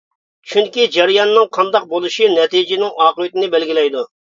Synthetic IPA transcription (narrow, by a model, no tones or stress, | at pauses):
t͡ʃʰyŋkʲid͡ʒɛɾijɑnːɨŋqʰɑnd̪ɑq̚bolˠuʃinɛt̪id͡ʒɪnɪŋɑːqəwɪt̪ɪnɪbɛlɡʲilɛjd̪u